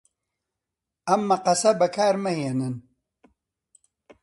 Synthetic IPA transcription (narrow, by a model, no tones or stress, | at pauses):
ɐmːɐqɐsɐbɐkʰaːɾmɐheːnɨn